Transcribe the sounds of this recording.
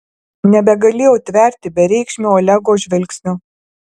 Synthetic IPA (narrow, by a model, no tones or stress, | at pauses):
nʲɛbʲɛɡɐlʲeːjɛːt̪ʲʋʲɛɾʲt̪ʲɪbʲɛɾʲɛɪkʃʲmʲoɔlʲɛɡoːʒʲʋʲɛlʲksʲnʲʊ